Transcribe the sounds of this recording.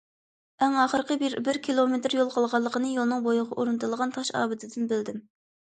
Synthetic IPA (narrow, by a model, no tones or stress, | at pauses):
ɛŋɑːχəɾqəbɪɾkʲilˠomet̪ɾjolˠqʰɑlˠʁɑlˠːəqʰənɨjolˠnɨŋbojʊʁɑʔoɾɨnt̪ʰɨlˠəʁɑnt̪ʰɑʃɑ̰ːbɪt̪ʰɪd̪ɪnbɪld̪ɪm